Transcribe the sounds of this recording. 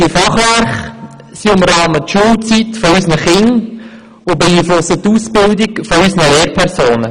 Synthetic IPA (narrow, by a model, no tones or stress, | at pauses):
ifɑχʋæɾχ | siʊmɾɑːmətʃult͡sitfɔysnəχɪŋ | ʊbɛiːflʊsətːuːsb̥ɪldikfɔysnəleːɾpʰɛɾsoːnə